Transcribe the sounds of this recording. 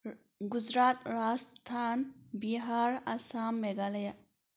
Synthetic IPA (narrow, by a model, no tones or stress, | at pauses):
ɡuzɾaːt̪ɾaːst̪ʰaːnbiɦaːɾasaːmːeɡalɐja